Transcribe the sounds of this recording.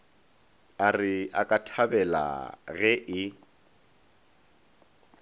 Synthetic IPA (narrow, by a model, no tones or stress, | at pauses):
arɪakʼatʰabɛla̰ɣɛʔɪ